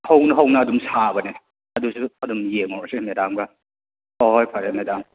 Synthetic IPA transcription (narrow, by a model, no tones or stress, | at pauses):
hɐwnɐɦɐwnɐːdumsabɐnenɐ | ɐdusuɐdumjeŋɔɾsemedamɡɐ | ɔɦɔjpʰaɾemedam